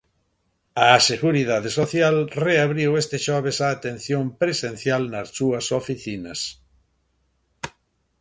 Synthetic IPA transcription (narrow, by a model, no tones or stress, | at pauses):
aseɣuɾiðaðesoθjalreaβɾiwest̪eʃɔβ̞esaːt̪ẽn̟θjompɾesẽn̟θjalnɐssuɐsofiθinɐs